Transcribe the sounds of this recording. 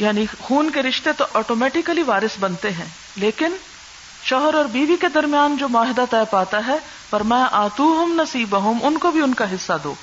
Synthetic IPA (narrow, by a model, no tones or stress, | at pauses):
jaːnixuːnkeɾɪʃt̪et̪oʔɔːʈoːmɛːʈɪkəliʋaːɾɪsbɐnt̪eɦɛ̃ː | leːkɪn | ʃɔːɦəɾɔːɾbiːʋiked̪ɐɾmijaːnd͡ʒoːmʊaːɦɪd̪at̪ɛːpaːt̪aɦɛ | pɐɾmɛ̃ːʔaːt̪uːɦʊmnɐsiːbɐɦʊ̃mʊnkobʱiʊnkaɦɪsːad̪o̰ː